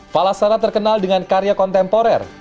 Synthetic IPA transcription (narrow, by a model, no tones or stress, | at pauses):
falasaɾat̪ərkənaldəŋankaɾjakɔnt̪ɛmpɔɾɛ̰r